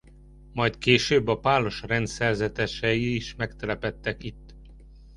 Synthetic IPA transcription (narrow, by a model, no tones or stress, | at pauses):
mɒjt̪keːʃøːbːɒpaːlo̞ʃrɛnt̪sɛrzɛt̪ɛʃɛjiːʃmɛkt̪ɛlɛpɛt̪ːɛkit̪ː